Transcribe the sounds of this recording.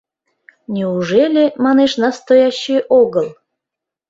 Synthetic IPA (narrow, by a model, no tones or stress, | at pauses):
nʲiuʒelʲemɑneʃnɑst̪ojɑɕːiʔoɣəlˠ